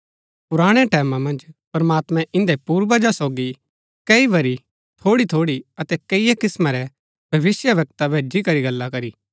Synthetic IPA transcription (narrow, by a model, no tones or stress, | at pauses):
pʊɾaːɽ̃ɛʈɛːmãmɐ̃nd͡ʒpɐɾmaːt̪mɛ̃ʔɪ̃nd̪ɛpuːɾʋɐd͡ʒasɔːɡi | kɐiʋɐɾi | t̪ʰoːɽit̪ʰoːɽiɐt̪ɛkɐijekɪsmaɾɛ | b̥ʱɐʋɪsjəʋɐk̚t̪abʱeːd͡ʒikɐɾiɡɐlːakɐɾiː